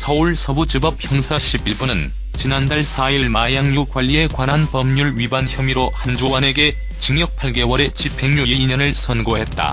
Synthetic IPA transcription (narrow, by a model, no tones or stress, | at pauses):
sʰʌuɭsʰʌbud͡ʑɯbʌp̚çjʌŋsʰaɕʰibiɭbunɯn | t͡ɕinandaɭsʰaiɭmajaŋɲukwaʎːie̞kwanɦanpʌmɲuɭɥibançjʌmiɾohand͡ʑowane̞ɡe̞ | t͡ɕiŋjʌk̚pʰaɭɡe̞wʌɾe̞t͡ɕʰipʰe̞ŋɲuiiɲʌnɯɭsʰʌnɡoɦe̞t̚t͈a̰